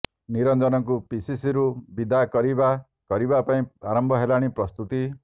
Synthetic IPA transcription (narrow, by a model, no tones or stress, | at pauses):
niɾɔnd͡ʒɔnɔŋk̬upisisiɾubid̪akɔɾiba | kɔɾibapaĩaɾɔmbʱɔɦelaɽ̃ipɾɔst̪ut̪i